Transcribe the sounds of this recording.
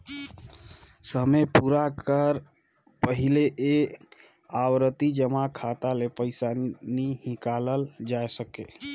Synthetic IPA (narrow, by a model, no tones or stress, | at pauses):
səmepuɾakəɾ | pəɦileʔe | awɾət̪id͡ʒəmakʰat̪alepəɪsanihĩkaləld͡ʒaesəke